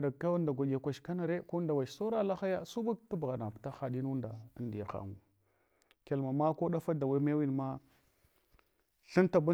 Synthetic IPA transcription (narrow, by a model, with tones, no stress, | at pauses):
da˨ka˦wa˦nda˨ɡʷa˨ɡa˨kʷa˨ʃka˦na˨ɾe˦ko˦nda˨wa˨t͡ʃso˦ɾa˦la˦xa˦ja˦su˦bu˦k̚ta˦bɣa˨na˨pta˦xa˨di˦nu˦nda˨ə˦ndi˨ja˨xa̰˨ŋu˨ | ke˨lma˨ma˦ko˦ɗa˦fa˦da˨wa˦me˦wi˦nma˦ | ɬə˦nta˨bu˦